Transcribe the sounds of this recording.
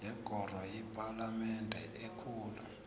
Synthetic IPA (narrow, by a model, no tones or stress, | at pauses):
jɛɡ̥ʱɔr̤wajɛpʼalamɛntʼɛ̰ʔekʰuːlu